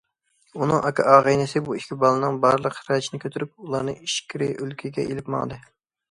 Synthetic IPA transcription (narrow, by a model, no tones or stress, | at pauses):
unɨŋʔɑkʲʰɑ̰ʔɑːʁəjnɨsɪbuikʲibɑlˠɨnɨŋbɑɾlˠəqɾɑt͡ʃʰinɪkʲʰøt̪ʰyɾyp̚ulˠɑɾnɨŋiʃkʲʰiɾɪʔølkʲʰiɡʲɛ̰ʔelɪpmɑ̰ŋd̪ɨ